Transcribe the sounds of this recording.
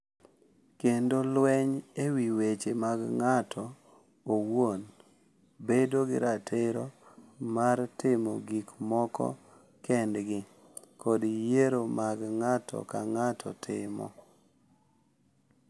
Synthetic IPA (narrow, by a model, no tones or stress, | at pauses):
kendolwɛɲewiwet͡ʃemaɡŋatʰɔ | owon | bedoɡɪ̰ɾatʰɪɾɔmartɪmɔ̰ɡikmɔkɔ̰ | kɛndɡɪ | kʰɔdijeɾomaɡŋatʰɔ̰kaŋatʰɔ̰tʰɪmɔ̰